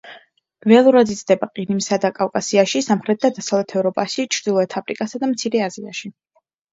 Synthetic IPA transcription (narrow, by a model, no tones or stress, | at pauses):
ɾɛalˠuɾad̪it̪sʰʼd̪ɛbaqʼiɾimsad̪akʼavkʼasiaʃisamχɾɛt̪̚d̪ad̪asavlɛt̪ʰɛvɾɔpʼaʃit͡ʃʰɾd̪ilˠɔɛt̪ʰapʼɾikʼasad̪amt̪sʰiɾɛazia̰ʃi